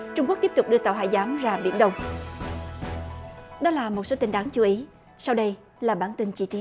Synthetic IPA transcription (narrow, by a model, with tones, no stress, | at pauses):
t͡ɕʊ˧ŋ͡mkk̚t̪i˥p̚t̪ʊ˨˩k͡p̚ɗɨ˧ət̪aː˨˩wɦa̰ː˧˨jzaː˨˦mzaː˧˩ɓḭ˧˩ənɗə˧wŋ͡m | ɗɔ˨˦laː˨˩mo˨˩t̚so˨˦t̪i˧nɗaː˨˦ŋt͡ɕu˨˦ʔi˨˦ | sa˧wɗə˧j | laː˨˩ɓaː˧˩nt̪i˧nt͡ɕi˧t̪i˦